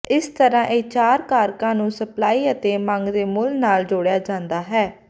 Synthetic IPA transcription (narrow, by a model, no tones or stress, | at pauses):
ɪst̪əɾãːʔeːt͡ʃaːɾkaːɾkãːnũːsəplaːiːət̪eːmə̃ŋɡd̪eːmʊlnaːld͡ʒoːɽejaːd͡ʒãːnd̪aːɦɛː